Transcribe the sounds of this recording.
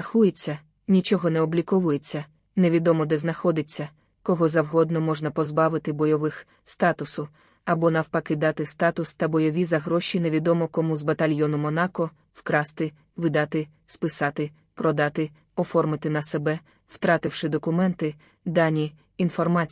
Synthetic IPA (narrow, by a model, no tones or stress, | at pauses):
ɐxujet͡sʲːɐ | nʲit͡ʃɔɦɔnɛɔblʲikɔʋʊjet͡sʲːɐ | neʋʲid̪ɔmɔd̪ɛznɐxɔd̪ɪt͡sʲːɐ | kɔɦɔzɐwɦɔd̪nɔmɔʒnɐpɔzbɑʋɪt̪ɪbɔjɔʋɪx | st̪ɑt̪ʊsʊ | ɐbɔnɐwpɐkɪd̪ɑt̪ɪst̪ɑt̪ʊst̪ɐbɔjɔʋʲizɐɦɾɔʃʲineʋʲid̪ɔmɔkɔmuzbɐt̪ɐlʲjɔnʊmɔnɑkɔ | wkɾɑst̪ɪ | ʋɪd̪ɑt̪ɪ | spɪsɑt̪ɪ | pɾɔd̪ɑt̪ɪ | ɔfɔrmɪt̪ɪnɐsɛbɛ | w̥t̪ɾɑt̪ɪwʃɪd̪ɔkʊmɛnt̪ɪ | d̪ɑnʲi | infɔrmɑ